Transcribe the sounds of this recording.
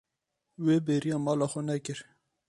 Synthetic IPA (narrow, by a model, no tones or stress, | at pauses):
weːbeːɾijɑːmɑːlɑːxɛnɛkɨɾ